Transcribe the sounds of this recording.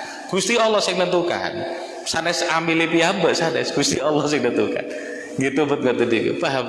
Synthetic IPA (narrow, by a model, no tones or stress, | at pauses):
ɡ̥ust̪iɔlːɔhsɪŋnənt̪uka̰n | sanɛsambilepiambəʔsanɛ̰sɡ̥ust̪iɔlːɔhsɪŋnənt̪uka̰n | ɡit̪ubət̪̚ŋɡət̪udikṵpaɦam